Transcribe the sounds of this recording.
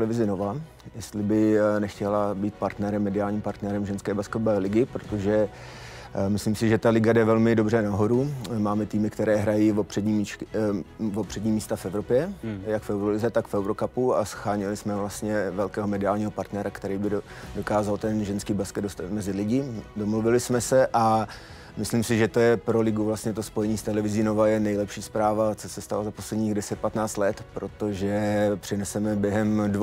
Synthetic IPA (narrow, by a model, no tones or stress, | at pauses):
t̪lɛvɪzɪno̞va | jɛst̪lɪbɪnɛxcɛlabiːt̪paɾt̪nɛɾɛmːɛdɪaːlɲimpaɾt̪nɛɾɛmʒɛnskɛːbaskɛt̪ovɛːlɪɡɪpɾot̪o̞ʒɛ | mɪslimsɪʒɛt̪alɪɡadɛvɛlmɪdo̞brɛnaɦo̞ɾumaːmɛt̪iːmɪkt̪ɛɾɛːɦɾajivopr̥ɛɲim | vopr̥ɛdɲiːmiːst̪afɛvɾo̞pjɛjakfɛwɾolɪzɛt̪akfɛwɾo̞kapuasxaːɲɪlɪsmɛvlast̪ɲɛvɛlkɛːɦomɛdɪaːlɲiːɦo̞paɾt̪nɛɾakt̪ɛɾiːbɪ | dokaːzalt̪ɛnʒɛnskiːbaskɛd̪dost̪at̪mɛzɪlɪɟɪdomluvɪlɪsmɛsɛʔa | mɪslimsɪʒɛt̪o̞jɛpɾolɪɡuvlast̪ɲɛt̪o̞spo̞jɛɲiːst̪ɛlɛvɪziːnovajɛnɛjlɛpʃiːspɾaːvat͡sosɛst̪alo̞zapo̞slɛdɲiːɣdɛsɛt̪̚pat̪naːt͡st̪lɛt̪pɾo̞t̪o̞ʒɛpr̥ɪnɛsɛmɛbjɛɦɛmd